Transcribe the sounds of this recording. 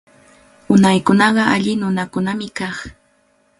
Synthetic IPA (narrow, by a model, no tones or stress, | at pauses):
ʊnajkʊnɑɢɑʔaʎɪnʊnakʊnamɪkɑχ